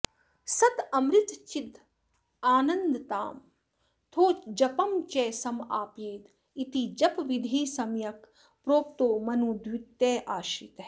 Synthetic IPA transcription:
sɐt̪ɐmɾit̪t͡ʃid̪ | aːnɐnd̪t̪aːm | t̪ʰoːt͡ʃd͡ʒɐpɐmt͡ʃɛːsɐma̰ːpjeːt̪ | it̪id͡ʒɐpʋid̪ʱiːsɐmjɐk | pɾoːp̚t̪oːmɐnuːd̪wit̪ːeːʔaːʃiːt̪

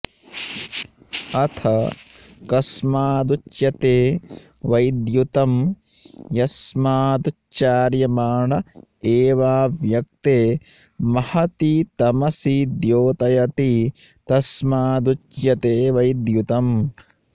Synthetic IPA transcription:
ɐt̪ʰɐ | kɐsmaːd̪ut͡ʃjɐt̪eː | ʋɐjd̪jut̪ɐm | jɐsmaːd̪u | t͡ʃaːɾjɐmaːɳɐeːʋaːʋjɐk̚t̪eː | mɐhɐt̪it̪ɐmɐsid̪joːt̪ɐjɐt̪i | t̪ɐsmaːd̪ut͡ʃjɐt̪eːʋɐjd̪jut̪ɐm

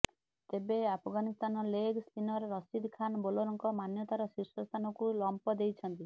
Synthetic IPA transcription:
t̪ebeapʰɔɡanist̪anɔleɡspinɔɾːɔsid̪ʱkʰanbolɔɾɔŋkɔmanjɔt̪aɾɔsiɾsɔst̪ʰanɔkulɔmpɔd̪ejt͡ʃʰɔnt̪i

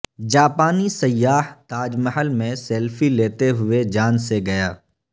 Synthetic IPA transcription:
d͡ʒaːpaːnisɐjːaːɦt̪aːd͡ʒməɦəlmẽsɛːlfileːt̪eɦʊed͡ʒaːnseɡɐjaː

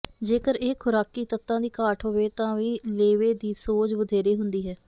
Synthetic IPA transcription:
d͡ʒeːkəɾeːkʰʊɾaːkiːt̪ət̪ːãːd̪iːkaːʈʰɦoːʋeːt̪ãːʋĩːleːʋeːd̪iːsoːd͡ʒʋəd̪ʱeːɾeːɦʊnd̪iːɦɛː

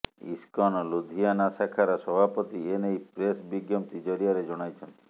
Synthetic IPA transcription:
ḭskɔnɔlud̪ʱijanasakʰaɾɔsɔbʱapɔt̪ienejpɾesbiɡjɔmt̪id͡ʒɔɾijaɾed͡ʒɔɽ̃ajt͡ʃʰɔnt̪i̥

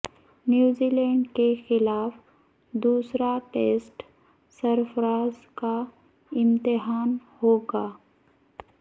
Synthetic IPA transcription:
njuːziːlɛ̃ːɳɖkexɪlaːf | d̪uːsɾaʈeːsʈ | səɾfɾaːzka | ɪ̃mt̪ɪɦaːnhoːɡaː

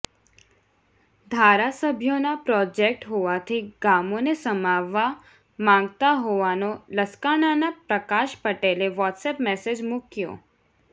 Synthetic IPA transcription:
d̪ʱaːɾasəbʱjõnapɾɔːd͡ʒek̚ʈɦoːʋat̪ʰiɡaːmõnesəmaːʋa | mãːŋɡt̪aɦoːʋaːnoləskaːnanapɾəkaːʃpəʈeːleʋɔːʈsɛːpmɛːsed͡ʒmʊkjo̰ː

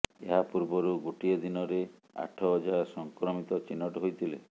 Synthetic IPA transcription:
eɦapuɾbɔɾuɡuʈied̪inɔɾe | a̰ʈʰɔɦːd͡ʒasɔŋkɾɔmit̪ɔt͡ʃinɔʈɔɦojt̪ʰilḛ

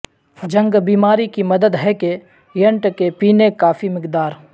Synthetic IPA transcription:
d͡ʒɐ̃ŋɡbiːmaːɾikimɐd̪əd̪ɦɛke | jɐɳʈkepiːnekaːfʰimɪqd̪aːɾ

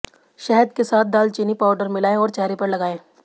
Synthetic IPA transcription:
ʃɛɦəd̪kesaːt̪̚ʰd̪aːlt͡ʃɪnipaːʊɖəɾmɪlaːẽɔːɾt͡ʃaːɾipɐɾlɐɡaːẽː

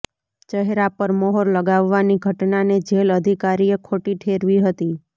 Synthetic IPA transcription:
t͡ʃəɦɾapəɾmɔɦɔɾləɡaʋːaniɡʱəʈnaned͡ʒeləd̪ʱikaɾiekʰoʈiʈʰeɾʋiɦət̪i

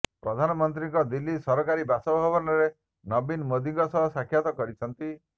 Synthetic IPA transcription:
pɾɔd̪ʱanɔmɔnt̪̬ɾiŋkɔd̪ilːisɔɾɔkaɾibasɔbʱɔbɔnɔɾe | nɔbinmod̪iŋkɔsɔɦɔsakʰːjat̪ɔkɔɾit͡ʃʰɔnt̪i

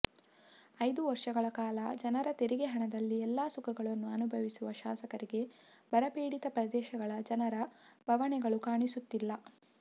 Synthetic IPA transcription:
ɐjd̪uʋɐɾʂɐɡɐɭɐkaːlɐd͡ʒɐnɐɾɐt̪eɾiɡeɦɐɳɐd̪ɐlːiɛlːaːsukɐɡɐɭɐnːuɐnubʱɐʋisuʋɐʃaːsɐkɐɾiɡe̞bʱɐɾɐpiːɽit̪ɐpɾɐd̪ɛːʃɐɡɐɭɐd͡ʒɐnɐɾɐbʱɐʋɐɳɛɡɐɭukaːɳisut̪ːilːɐ

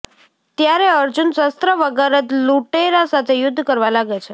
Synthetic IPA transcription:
t̪jaɾeəɾd͡ʒunsəst̪ɾəʋəɡaɾət̪luʈeɾasat̪ʰejʊd̪ʱːkəɾʋalaɡet͡ʃʰe

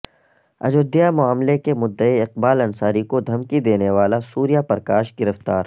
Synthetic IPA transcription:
ɐ̰d͡ʒod̪ijamʊaːmlekemʊd̪ːəiɪq̚baːlɐnsaːɾikod̪ʱɐmkid̪eːneʋaːlasuːɾijapɐɾkaːʃɡɪɾəft̪aːɾ

